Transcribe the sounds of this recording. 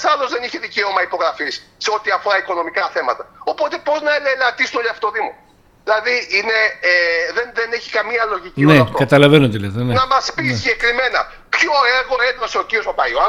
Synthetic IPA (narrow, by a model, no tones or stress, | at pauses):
sɐlo̞zðe̞niçeðice̞o̞mɐipo̞ɣɾɐfisːeo̞t̪iɐfoɾɐiko̞no̞mikɐθe̞mɐt̪ɐo̞po̞t̪e̞po̞znɐelelɐt̪isunoliɐfo̥t̪oðimo̞ | ðilɐðiine̞eðenðeneçi̥kɐmiɐlo̞ʝicineɐftokːɐt̪ɐlɐvenot̪eleðɐnenɐmɐspisiɲɟe̞kɾime̞nɐ̰ | pço̞eɾɣo̞ed̪ɾɐseociɾiosopɐjoɐ